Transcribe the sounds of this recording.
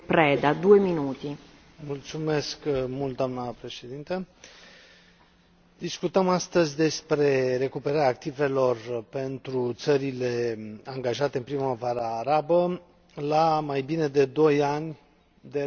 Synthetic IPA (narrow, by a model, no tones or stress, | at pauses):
pɾɛd̪ad̪ueminut̪i | mult̪sume̞skmult̪̚d̪oamnəpɾe̞ʃed̪int̪ə | d̪iskut̪əmast̪əzʲd̪e̞spɾe̞re̞kupe̞ɾaɾeaːk̚t̪ive̞lo̞rpe̞nt̪ɾut̪səɾile̞aŋɡaʒat̪e̞ɨnpɾiməvaɾaːɾabə | lamajbine̞d̪e̞d̪o̞janʲ | d̪e